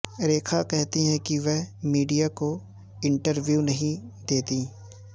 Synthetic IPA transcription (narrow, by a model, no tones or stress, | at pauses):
ɾeːkʰakɛɦt̪iɦɛ̃kiʋɛɦmiːɖijako | ɪ̃ɳʈəɾʋjuːnɐɦĩd̪eːt̪ĩː